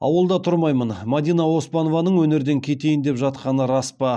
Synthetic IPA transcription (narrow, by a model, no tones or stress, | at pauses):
ɑ̰wəlˠd̪ɑt̪ʰʊɾmɑjmənmad̪ijnɑwo̞spɑnovɑnəɴwɵne̞ɾd̪eŋkʲʰe̞t̪e̞jɪnd̪e̞pʒɑt̪qɑnəɾɑspɑ